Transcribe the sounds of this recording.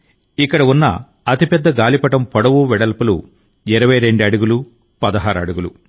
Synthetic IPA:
ikːɐɽɐunːɐ̰ | ɐt̪ipɛd̪ːɐɡaːlipɐʈɐmpɔɽɐʋuʋɛɽɐlpulṵ | iɾɐʋɐjɾe̞ɳɖiɐɽɐɡulu | pɐd̪ɐɦaːɾɐ̰ɽuɡulṵ

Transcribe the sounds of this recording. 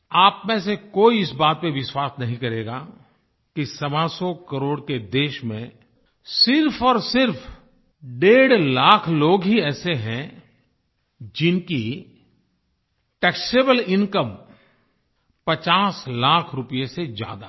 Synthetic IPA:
aːpmẽːsekoːiɪsbaːt̪̚peʋɪswaːsnɐɦĩkɐɾeːɡa | kisɐbasɔkɐɾoːɽked̪eːʃmḛ̃ | sɪɾfʰɔːɾsɪɾpʰ | ɖeːɽlaːkʰloːɡɦiɛːseɦɛ̃ | d͡ʒɪnki | ʈɛːkseːbəlɪ̃nkəm | pɐt͡ʃaːslaːkʰɾʊpijesed͡ʒja̰ːd̪a

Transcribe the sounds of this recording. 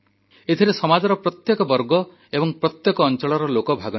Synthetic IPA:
et̪ʰiɾesɔmad͡ʒɔɾɔpɾɔt̪jekɔbɔɾɡɔ | ebɔŋpɾɔt̪jekɔːnt͡ʃɔɭɔɾɔlokɔbʱaɡɔ

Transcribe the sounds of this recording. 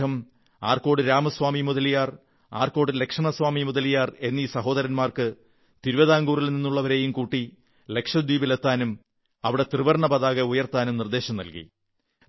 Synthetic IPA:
ɐm | a̰ːrko̞ːɽɨɾaːmɐsʋaːmimuðɐlijaːr | a̰ːrko̞ːɽɨle̞kʂɐɳɐsʋaːmimuðɐlijaːre̞nːisɐɦo̞ːd̪ɐɾɐnmaːrkɨ | t̪iɾuʋɐðaːŋɡuːrilninːuɭːɐʋɐɾe̞ːjumkuːʈːi | le̞kʂɐd̪iːbilet̪ːaːnum | ɐʋiɽe̞t̪riʋɐrɳɐbɐðaːɣɐujɐrt̪aːnumnird̪e̞ːɕɐmnɐ̰lkḭ

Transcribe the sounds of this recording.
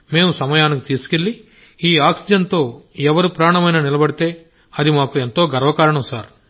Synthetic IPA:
me̞ːmusɐmɐjaːnikut̪iːsu̥ke̞ɭːi | iːaːksid͡ʒɐnt̪o̞ːɛʋɐɾupɾaːɳɐmɐjnaːnilɐbɐɽit̪e̞ː | ɐd̪imaːkuent̪o̞ːɡɐɾʋɐkaːɾɐɳɐmsaːɾ

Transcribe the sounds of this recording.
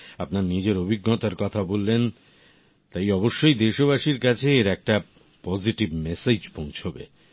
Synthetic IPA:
apnaɾnid͡ʑeɾobʱiɡːot̪aɾkɔt̪ʰabolːen | t̪ajɔboʃːojd̪eʃoβaʃiɾkat͡ɕʰeeɾɛk̚ʈa | pɔziʈibmesed͡ʑpõnt͡ɕʰobḛ

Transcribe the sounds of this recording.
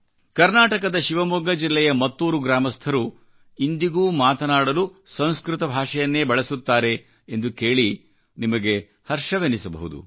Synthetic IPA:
kɐɾnaːʈɐkɐd̪ɐʃiʋɐmuɡɐd͡ʒilːɛjɐmɐt̪ːuːɾuɡɾaːmɐst̪ʰɐɾu | ind̪iɡuːmaːt̪ɐnaːɽɐlusɐ̃w̃skɾut̪ɐbʱaːʂɐjɐnːe̞ːbɐɭesut̪ːaːɾe̞ː | nd̪uke̞ːɭi | nimɐɡe̞ | hɐɾʂɐʋenisɐbɐ̰ɦud̪ṵ

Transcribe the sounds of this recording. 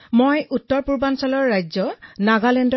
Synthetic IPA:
mojʔutːɔɹpuɹbansɔlɔɹːajzɔnaɡalend

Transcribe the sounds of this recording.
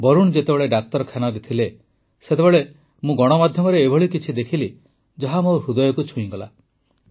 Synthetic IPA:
bɔɾuɽ̃d͡ʒet̪ebeɭeɖak̚t̪ɔɾɔkʰjanɔɾet̪ʰile | set̪ebeɭe | mũɡɔɽ̃ɔmad̪ʱjɔmɔɾeːbʱɔɭikit͡ʃʰid̪ekʰili | d͡ʒɔɦamoɾud̪ɔjɔkut͡ʃʰuĩɡɔla

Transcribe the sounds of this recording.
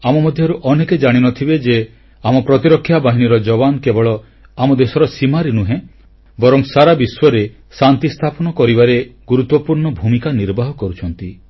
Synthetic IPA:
amɔmɔd̪ʱjɔɾuʔɔneked͡ʒaɽ̃inɔt̪ʰibed͡ʒe | amɔpɾɔt̪iɾɔkʰːjabaɦiɽ̃iɾɔd͡ʒɔbankebɔɭɔ | amɔd̪esɔɾɔsimaɾinuɦẽ | bɔɾɔmsaɾabiswɔɾe | sant̪ist̪ʰapɔnɔkɔɾibaɾeɡuɾut̪wɔpuɾɳɔbʱumikaniɾbaɦɔkɔɾut͡ʃʰɔnt̪i

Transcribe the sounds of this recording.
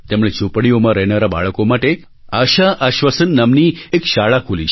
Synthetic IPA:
t̪emɽet͡ʃupɽ̃iomãɾəɦnaɾaba̰ɭəkomaʈe | aʃaʔəʃʋəsənːəmniekʃaɭakʰuli

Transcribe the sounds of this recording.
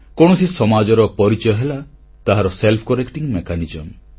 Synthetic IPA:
koɽ̃ɔsisɔmad͡ʒɔɾɔpɔɾit͡ʃɔjɔɦela | t̪aɦaɾɔselpʰkɔɾekʈiŋmekanid͡ʒɔm

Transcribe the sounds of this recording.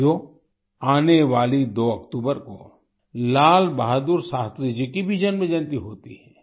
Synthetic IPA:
joː | aːneʋaːlid̪oːɐkt̪uːbəɾko̰ | laːlbaɦd̪uːɾsaːst̪ɾid͡ʒikibʱid͡ʒənmẽd͡ʒɐ̃nt̪iɦoːt̪iɦɛː

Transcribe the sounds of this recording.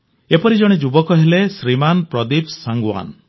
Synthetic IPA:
epɔɾid͡ʒɔɽ̃ed͡ʒubɔkɔɦelesɾimanpɾɔd̪ipsaŋɡwa̰n

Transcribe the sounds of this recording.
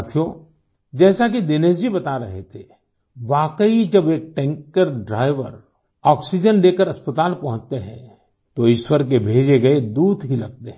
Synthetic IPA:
t̪ʰijo | d͡ʒɛːsak̬id̪eneːd͡ʒibɐt̪aɾɐɦḛt̪ʰe | ʋaːkəid͡ʒɐbeːk̚ʈɛ̃ːŋkːəɾɖɾaːɪʋə̰ɾ | ɔːksid͡ʒənleːkəɾɐspət̪aːlpɐ̃ɦʊ̃t͡ʃt̪eɦɛ̰̃ | t̪oɪʃwəɾk̬ebʱeːd͡ʒeɡɐed̪uːd̪ɦilɐɡ̚t̪eɦɛ̃

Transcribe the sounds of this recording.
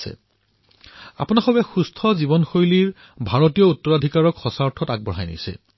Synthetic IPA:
sɛ̰ | a̰pʊnaxɔbɛxustʰɔzibɔnxojliɹ | bʱaɹotijɔutːɔɹadʱikaɹɔkxɔsaɹtʰɔtak̚bɔɹɦajnḭsɛ̰

